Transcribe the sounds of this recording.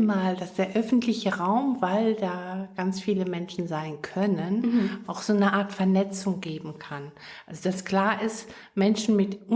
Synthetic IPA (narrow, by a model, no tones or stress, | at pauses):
maːld̥asd̥eːɐʔœfn̩tlɪçəʁaʊmvaɪldaːɡ̥ant͡sfiːləmɛnʃn̩zaɪnkʰœnənʔaʊxz̥oːnəʔaːɐtfɛɐnɛt͡sʊŋɡeːbm̩kʰan | ʔʔalzod̥askl̥aːɐʔɪst | mɛnʃn̩mɪtʔʊ